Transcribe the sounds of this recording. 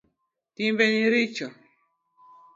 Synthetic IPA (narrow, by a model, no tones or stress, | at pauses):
timbeɲiɾit͡ʃɔ